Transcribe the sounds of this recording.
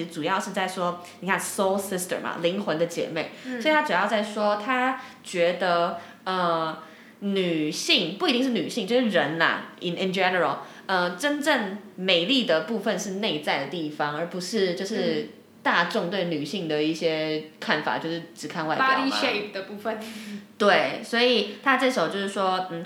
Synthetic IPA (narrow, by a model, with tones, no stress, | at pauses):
ʈ͡ʂu˨˩jɑ˥˧ʊʂɻ̩˥˧t͡sa˥˩ɪʂwɔ˥ni˨˩kʰa˥˩nso˥lsɪ˥stə̰˨˩mɐ̰˩li˧˥ŋxwə˧˥nd̪ə˧t͡ɕjɛ̰˧˥me˥˩ɪsswi˨˩a˥ʈ͡ʂu˨˩jɑ˥˧ʊt͡sa˥˩ɪʂwɔ˥t̪ʰa˥t͡ɕɥɛ˧˥d̪ə˧ | ə˩ | ny˨˩ɕi˥˧ŋpu˥˩i˧t̪i˥˧ŋʂɻ̩˥˩ny˨˩ɕi˥˧ŋt͡ɕjo˥˧ʊʂɻ̩˥˩ɻə˧˦˥nɐ̰˧i˨˩nɪ˧nd͡ʒɛ˦˥nə˞˨˩ə˨˩l | ə˧ʈ͡ʂə˥nʈ͡ʂə˥˩nme˨˩ɪli˥˩d̪ə˩pu˥˧fə˥˧nʂɻ̩˥˧ne˥˧ɪt͡sa˥˩ɪd̪ə˩t̪i˥˩fɑ˦ŋə˞˨˧˥pu˧˥ʂɻ̩˥˧t͡ɕjo˥˧ʊʂɻ̩˥˧˥ | t̪a˥˧ʈ͡ʂʊ˥˧ŋt̪we˥˩ɪny˨˩ɕi˥˩ŋd̪ə˩i˥˩ɕjɛ˥kʰa˥˩nfa̰˨˩t͡ɕjo˥˧ʊʂɻ̩˥˩ʈ͡ʂɻ̩˨˩kʰa˥˧nwa˥ɪa˥li˥˧ʂe˥˩pd̪ə˩pu˥˧fə˨˩nt̪we˥˩ɪswɔ˧˥i˨˩t̪ʰa˥ʈ͡ʂə˥˩ʂo˨˩ʊt͡ɕjʊʂɻ̩˥˩ʂwɔ˥n̩˥˩